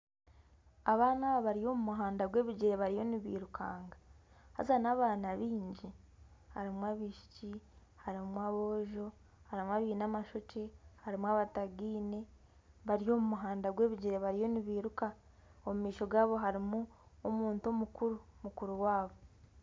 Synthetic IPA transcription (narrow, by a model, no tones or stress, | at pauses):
aβaːnaːββaɾijo̞mumuɦaːndaɡwe̞ːβiɟiɾeβaɾijoniβḭːɾukʰaːŋɡa | ha̰zanaːβaːnaβiːɲɟi | haɾimwaβiʃi̥ci | haɾimwaβo̞ːʒo̞ | haɾimwaβiːnamaʃot͡ʃehaɾimwaβataɡiːne̞ | βaɾijo̞mumuɦaːndaɡwe̞ːβiɟiɾe̞βaɾijo̞niβiːɾuka | omumiːʃo̞ɡaːβo̞ɦaɾimuomuːnto̞mukuɾumukuɾuwaːβo̞